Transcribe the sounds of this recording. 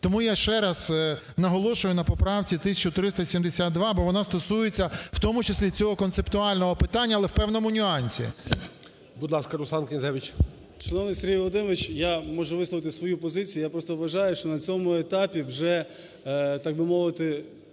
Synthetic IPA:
t̪ɔmujaʃt͡ʃɛɾɐz̥ | nɐɦɔlˠɔʃʊjʊnɐpɔpɾɑwt͡sʲit̪ɪsʲɐt͡ʃʊt̪ɾɪst̪ɐsʲimd̪esʲat̪̚d̪ʋɑbɔʋɔnɑst̪ɔsujet͡sʲːɐwt̪ɔmʊt͡ʃesʲlʲit͡sʲɔɦɔkɔnt̪sept̪ʊɑlʲnɔɦɔpɪt̪ɑnʲːɐlˠɛwpɛwnɔmʊnʲʊɑnʲsʲḭ | bʊd̪lˠɑskɐɾʊsɑnkʲenʲzɛʋʲɪt͡ʃ | ʃɐnɔʋnɪjseɾʲɦʲijʋlˠɔd̪ɪmɔʋɪt͡ʃjamɔʒɛʋɪslˠɔʋɪt̪ɪsʋɔjupɔzɪt͡sʲijʊːjapɾɔst̪ɔʋʋɐʒɑjʊʃt͡ʃɔnɐt͡sʲɔmʊet̪apʲiwʒɛ | t̪ɑɡ̚bɪmɔʋɪt̪ɪ

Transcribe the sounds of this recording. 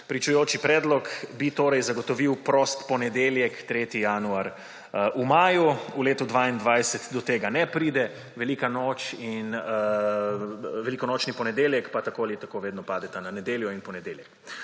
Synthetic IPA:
pɾit͡ʃujoːt͡ʃipɾɛːd̪lɔkbit̪oːɾɛjzaɡɔt̪ɔʋiwpɾost̪pɔnɛd̪eːljɛkt̪ɾeːt̪ijanuaɾ | ʔumaːjuuleːt̪ud̪ʋaind̪ʋajsɛt̪d̪ɔt̪eːɡanɛpɾiːd̪ɛ | ʋɛliːkanoːt͡ʃin | ʋɛlikɔnoːt͡ʃnipɔnɛd̪eːljɛkpat̪akoːalit̪akoʋeːd̪nɔpaːd̪ɛt̪ananɛd̪eːljɔinpɔnɛd̪eːljɛk

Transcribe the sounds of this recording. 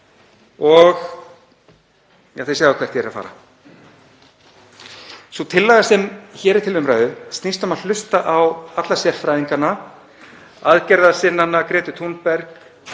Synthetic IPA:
ɔɣ | jaːθejsaːɣvakʰvɛr̥t̪jɛɾaðfa̰ːɾa̰ | sɔt̪ʰɪlːaːɣasɛmçɛːɾɪ̥t̪ʰɪlʏmɾaːɥðʏst̪nist̪ʏmaðl̥ʏst̪aʔawat̪lasjɛrfɾajðiŋkanːa | aðcɛɾðasɪnːanːakɾɛːt̪ʏt̪ʰunpɛɾk

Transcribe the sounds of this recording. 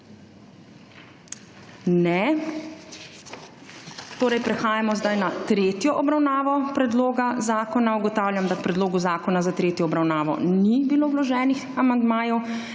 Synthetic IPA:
nɛ | t̪oːɾɛjpɾɛxaːjamɔzd̪ajnat̪ɾeːt̪jɔʔɔbɾawnaːʋɔpɾɛd̪loːɡazaːkɔnauɡɔt̪aːwlʲjamd̪akpɾɛd̪loːɡuzaːkɔnazat̪ɾeːt̪jɔːbɾawnaːʋɔ̰nibiloːwlɔʒɛːnixamand̪maːjɔw

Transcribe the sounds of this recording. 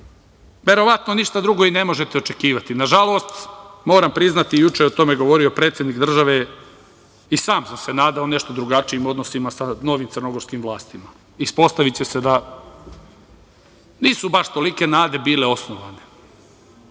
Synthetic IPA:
ʋe̞ɾo̞ʋat̪no̞niʃt̪ad̪ɾuɡo̞inemo̞ʒe̞t̪eo̞t͡ʃe̞kiːʋat̪inaʒalˠo̞ːst̪mo̞ːɾampɾiznat̪ijut͡ʃejot̪o̞me̞ɡo̞ʋo̞ɾio̞pɾet̪sʲjed̪nikd̪r̩ʒaʋe | isaːmsamse̞naːd̪aone̞ʃt̪o̞d̪ɾuɡat͡ʃiimo̞d̪nosimasano̞ʋimt̪sərno̞ɡo̞ɾskimʋlˠaːst̪ima | ispo̞st̪aʋit͡ɕe̞sed̪a | niːsubaʃt̪o̞like̞naːd̪e̞biːle̞o̞snoʋane

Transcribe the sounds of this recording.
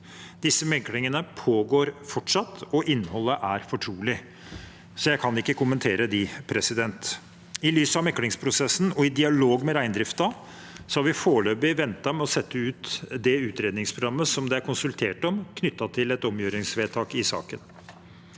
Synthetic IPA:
d̪ɪsːəmɛklɪŋənəpʰoːɡoːɾfɔʈʂɑt̪ːɔʔɪnːhɔlːəʔæɾfɔʈʰɾuːlɪ | sɔjæɪkʰɑnɪkːəkʊmənt̪ʰeːɾəd̪ɪpʰɾɛsɪd̪ɛnt̪ | ɪlyːsɑʋmɛkːlɪŋspʰɾʊsɛsːn̩ɔɪd̪ɪɑloːɡmɛɾæɪnd̪ɾɪft̪ɑ | sɔhɑɾʋɪfoːɭøːbɪʋɛnt̪ɑmɛɔsɛt̪ːəʉːt̪d̪ɛʉːt̪ɾeːd̪nɪŋspʰɾʊɡɾɑmːəsɔmd̪ɛæɾkʊnsʉlt̪ʰeːʈɔmkʰnʏt̪ːɑt̪ʰɪlɛt̪ɔmjøːɾɪŋsʋeːt̪ʰɑːkɪsɑ̰ːkən

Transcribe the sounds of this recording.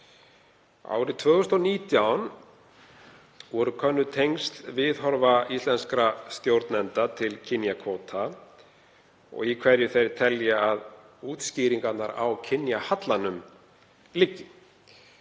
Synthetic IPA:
a̰wɾɪt̪ʰvœːɣʏst̪ɔniːt̪jawn | vɔɾʏkʰœnːʏt̪ʰejŋst̪vɪðɦɔɾvaist̪lɛnskɾast̪jowɾt̪nɛnt̪at̪ʰɪlcʰɪnjakʰɔːt̪ʰa | ɔ̰ɣikʰvɛɾjʏθejɾt̪ʰɛljaað | uːt̪sciːɾiŋkat̪naɾa̰wcʰɪnjahat̪lanʏm | lɪcːɪ

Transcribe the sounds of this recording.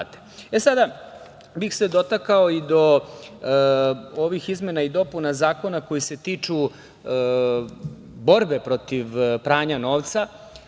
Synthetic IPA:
t̪eesad̪a | bixsed̪o̞t̪akaoid̪o̞ | oʋixizme̞naid̪o̞punazaːko̞nako̞jise̞t̪iːt͡ʂu | bo̞ɾbe̞pɾo̞t̪iʋpɾaːɲano̞ːʋt̪sa

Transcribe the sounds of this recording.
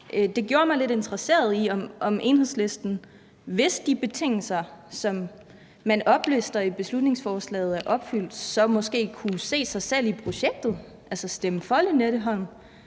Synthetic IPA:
ʔd̥e̝ɡ̥jo̝ːɐmɑ̈ɪle̝de̝nt͡sʰʁɐse̝̰ːɐð̞ˠiɒ̽mʔɒ̽mʔe̝ːnhe̝ð̰ˠsle̝sd̥n̩ | ʋe̝sd̥ib̥e̝t͡sʰe̝ŋ̰l̩sɐsɒ̽mː | ænɒ̽b̥lesd̥ɐib̥e̝slud̥ne̝ŋsfɒːslɛ̰ːð̞̩ˠæɐʔɒ̽b̥fyl̰d̥sɒ̽mɒ̽sɡ̥e̝̰ːkʰuse̝̰ːsɑ̈ɪsel̰ipʰʁo̝ɕeɡ̥̚d̥ð̩ˠ | ʔælsɐsd̥eməfɒ̽lineɾ̥əɦɒ̽n̰n

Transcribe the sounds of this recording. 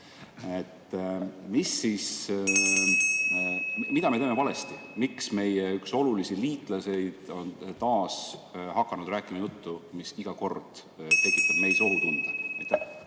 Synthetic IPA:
et̪ːmisːiːs | mid̪ɑmeeːmevɑle̞st̪imiksme̞jeykso̞lulisiliːt̪ˑlɑse̞jd̪̥o̞nt̪ɑːshɑkːɑnud̪ræːkːˑimɑjut̪ːumisiɡ̥ɑko̞rd̪̥ | t̪e̞kːˑit̪ːˑɑb̥̚me̞jso̞lut̪und̪̥eet̪ːˑ

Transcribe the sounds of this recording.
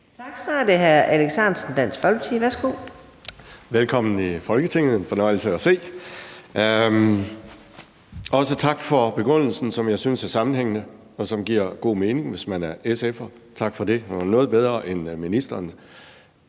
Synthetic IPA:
t͡sʰɑɡ̥sɒd̥eɦæɐʔæleɡ̥sænsən̩d̥æn̰sfɒlb̥t͡sʰiʋæɐsɡ̥o | ʋelkʰɒ̽m̰n̩ifɒ̽lɡ̥ət͡sʰe̝ŋ̰ð̩ˠe̝nfɒ̽nɒ̽ɪ̰l̩səæse̝̰ː | ʔɒ̽sət͡sʰɑ̈ɡ̥fɒ̽b̥e̝ɡ̥ʁɔn̰l̩sn̩sɒ̽mjɑ̈ɪsynsæɐsɑ̈mn̩heŋ̰nə | ɒ̽sɒ̽mɡ̥iɐ̰ɡ̥o̝̰ːme̝ːne̝ŋʋe̝smænæɐesefɐ | t͡sʰɑ̈ɡ̥fɒ̽de̝hnɔ̽ːð̞̩ˠb̥eð̞ˠʁɐʔenminisd̥ɐːn

